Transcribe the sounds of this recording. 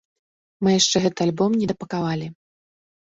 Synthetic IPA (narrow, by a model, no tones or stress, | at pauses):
mɨjaʂt͡ʂɛɣɛt̪ɨalʲbɔmnʲɛd̪ɐpɐkavalʲi